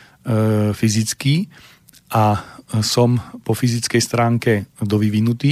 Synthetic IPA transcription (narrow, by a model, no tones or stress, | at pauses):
fizit͡skiː | ʔasɔmpɔfizit͡skɛjst̪ɾaːŋkɛd̪ɔʋiʋinut̪iː